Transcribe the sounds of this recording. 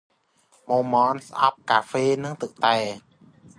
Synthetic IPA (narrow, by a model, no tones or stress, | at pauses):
moːmɔːnsʔɑ̰p̚kaːfeːnɨŋt̪ɨk̚t̪aː